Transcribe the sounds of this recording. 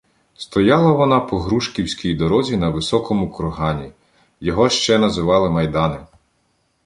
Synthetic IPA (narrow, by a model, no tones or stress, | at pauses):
st̪ɔjɑlˠɐʋɔnɑpɔɦɾuʃkʲiwsʲkʲijd̪ɔɾɔzʲinɐʋɪsɔkʰɔmʊkɔɾɦɑnʲi | jɔɦɔʃt͡ʃɛnɐzɪʋɑlˠɪmɐjd̪ɑnɪ